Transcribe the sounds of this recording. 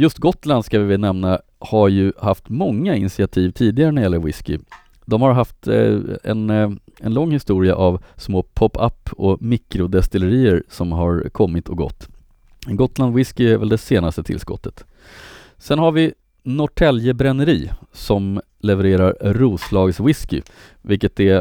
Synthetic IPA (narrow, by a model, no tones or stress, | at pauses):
jɵst̪ɡɔt̪land̪skavɪvɪlnɛmna | haɾjɵhaft̪mɔŋːaɪnsɪat̪ʰiːvt̪ʰiːd̪ɪɡaɾənæɾjɛlːəɾwɪskɪ̰ | d̪ɔmhaɾɦaft̪ɛ̰nɛnlɔŋːhɪst̪uːɾɪa̰ʔavsmoːpʰɔpːʰa̰pːɔmɪkɾʊd̪ɛst̪ɪləɾiːəɾsɔmɦaɾkʰɔmːɪt̪ʰɔɡɔ̰t̪ː | ɛnɡɔt̪land̪wɪskɪæɾvɛld̪ɛseːnast̪ət̪ʰɪ̰lskɔ̰t̪ʰːə̥t̪ | sɛnhaɾvɪ | nɔʈʰɛljəbɾɛnːəɾiːsɔm | lɛvəɾeːɾaɾɾuːslɑːɡswɪskɪ | vɪlkːət̪̚ɛ